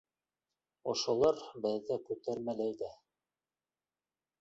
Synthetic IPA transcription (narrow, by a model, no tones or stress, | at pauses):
ŏʃŏlˠɑɾbɘ̆ðːækʉt̪æɾmælæjd̪æ